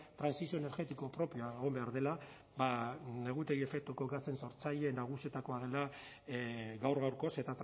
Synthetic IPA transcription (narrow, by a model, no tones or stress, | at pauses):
t̪ɾansisio̞ene̞ɾɣe̞t̪iko̞pɾo̞pioaeɣo̞mbe̞aɾðe̞la | bane̞ɣ̞ut̪e̞ɣie̞fe̞k̚t̪uko̞ɡase̞nso̞ɾt͡saʎe̞ːnːaɣ̞usie̞t̪ako̞aðe̞la | ɣawɾɣawɾko̞se̞t̪at̪